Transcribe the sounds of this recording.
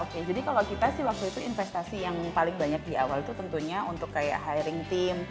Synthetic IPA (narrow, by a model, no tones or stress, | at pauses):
oked͡ʒadikalakit̪asɪhwak̚t̪uit̪uinfɛst̪asijaŋpalɪŋbaɲak̚dia̰walt̪ut̪ənt̪uɲaunt̪ʊkːaja̰ʔɦaiɾɪŋt̪ɪm